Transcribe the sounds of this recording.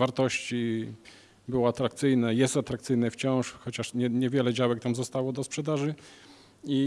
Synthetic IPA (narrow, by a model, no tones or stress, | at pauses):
vaɾt̪ɔɕt͡ɕi | bɘwɔat̪ɾak̚t̪sɘjnɛjɛst̪at̪ɾakt̪sɘjnɛft͡ɕɔ̃w̃ʂxɔt͡ɕaʂɲɛɲɛvʲjɛlɛd͡ʑawɛk̚t̪amzɔst̪awɔd̪ɔspʂɛd̪aʐɘ | i